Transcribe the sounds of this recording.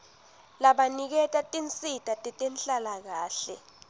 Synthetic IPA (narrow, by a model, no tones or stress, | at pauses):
laɓanik̬ɛtʼatʼint͡sʼitʼatʼɛtʼɛnɬʼalak̬aːɬɛ